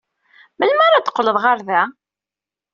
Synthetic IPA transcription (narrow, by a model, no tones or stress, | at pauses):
məlmaɾat̪ːə̥qːləðˤʁaɾðæ